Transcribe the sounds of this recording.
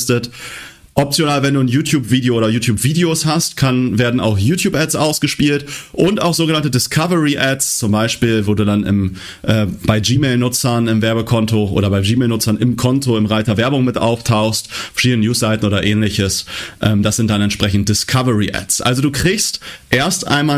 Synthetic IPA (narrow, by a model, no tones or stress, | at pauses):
stət | ʔɔp̚t͡sjonaːlvɛnduːnjuːtʰjuːpviːdeoʔoːdɐjuːtʰjuːpv̥iːdeoshastkʰanveːɐdn̩a̰ʊxjuːtjuːpʔɛtsʔaʊsɡ̥əʃpiːltʔʊnta̰ʊxzoːɡənantədɪskʰavəʁiʔɛtst͡sʊmbaɪʃpiːlvoːduːdanɪ̰m | ʔɛːb̥aɪd͡ʒiːmeːlnʊt͡sɐnɪmvɛɐbəkʰɔntoʔo̰ːɾɐbaɪmd͡ʒiːmɛːlnʊt͡sɐnɪmkʰɔntoɪmʁaɪtɐvɛɐbʊŋmɪtʔa̰ʊftʰaʊxstfɛɐʃiːdənənjuːsz̥aɪtn̩ʔoːdɐʔɛːnlɪçəsʔɛːmdasz̥ɪnt̚d̥anɛntʃpʁ̥ɛçn̩t̚d̥ɪskʰavəʁiʔɛ̰tsʔa̰lzoduːkʁ̥ɪçstʔeːɐstʔa̰ɪnmaː